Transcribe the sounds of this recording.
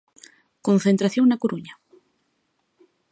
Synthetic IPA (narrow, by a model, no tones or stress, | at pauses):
kõnθent̪ɾaθjoŋnakoɾuɲa